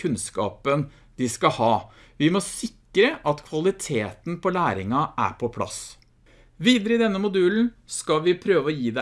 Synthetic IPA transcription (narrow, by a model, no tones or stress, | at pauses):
ʉnskɑ̰ːpən | d̪ɪskɑhɑːʋɪmɔsɪkːɾəʔɑt̪kʰʋɑlɪt̪ʰeːt̪n̩pʰɔlæːɾɪŋɑʔæ̰ɾpʰɔpʰlɑ̰s | ʋiːd̪əɾəɪd̪ɛnːəmʊd̪ʉːln̩skɑʋɪpʰɾøːʋəɔjiːd̪ɛ